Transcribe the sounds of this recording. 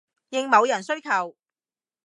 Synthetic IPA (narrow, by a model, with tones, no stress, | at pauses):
jɪ˨ŋmɐ˨˧wjɐ˨˩nsɵ˥ɥkʰɐ˨˩w